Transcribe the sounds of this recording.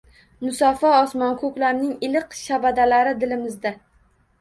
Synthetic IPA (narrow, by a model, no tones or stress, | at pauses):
mʊsɒfɒɒsmɒnkʰɵkʲlaɾnɪŋɪlɪqʃabad̪alaɾɪd̪ɪlɪmɪzd̪a